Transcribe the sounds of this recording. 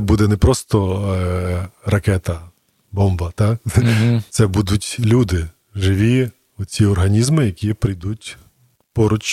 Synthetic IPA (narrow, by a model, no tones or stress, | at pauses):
bud̪ɛnɛpɾɔst̪ɔ | rɐkɛt̪ɐ | bɔmbɐt̪ɑkt̪sɛbud̪ʊtʲlʲud̪ɪ | ʒɪʋʲi | ʊt͡sʲiɔrɦɐnʲizmɪjɐkʲipɾɪjd̪utʲ | pɔɾɔt͡ʃ